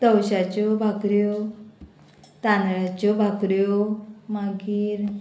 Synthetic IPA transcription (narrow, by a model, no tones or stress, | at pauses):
t̪əwɕat͡ɕɔbʱakɾjɔ | t̪anɭat͡ɕɔbʱakɾjɔmaɡiːɾ